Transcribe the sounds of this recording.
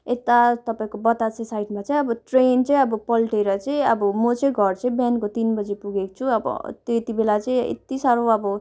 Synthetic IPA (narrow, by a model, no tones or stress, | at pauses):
et̪at̪ʌpaĩkobʌt̪at͡sẽsajʈmat͡sʌĩʌbʌʈrent͡sʌĩʌbʌpʌlʈeɾʌt͡sʌĩʌbʌmot͡sej̃ɡʱʌrt͡sʌ̃ĩbjankot̪inbʌd͡zipuɡekʌ̥t͡sʰuʌbʌ̰t̪joet̪ibelat͡sʌĩḛt̪isaɾoʌbʌ